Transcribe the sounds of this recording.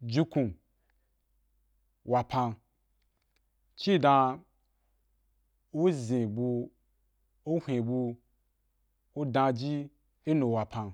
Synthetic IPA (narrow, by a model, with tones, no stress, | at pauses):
d͡ʒi˧kũ˨ | wa˨pʰã˧ | t͡ʃi˦˨dã˧ | o˦zẽ˨bu˧ | o˦hʷẽ˨bu˧ | o˦dã˧d͡ʒi˦ | e˦no˨wa˨pʰã˧n